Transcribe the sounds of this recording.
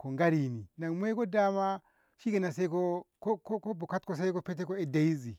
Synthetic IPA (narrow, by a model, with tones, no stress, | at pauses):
ko˨ŋɡa˦ɾi˨ni˨na˨ŋm˦e˦ko˦da˦ma˦ | ʃi˦ɡe˨na˨se˦ko˦ko˦ko˦ko˦bo˨ka˦tko˦˨s̬e˦ko˦pe˦t̬e˦ko˦e˨da˨i˦zi˨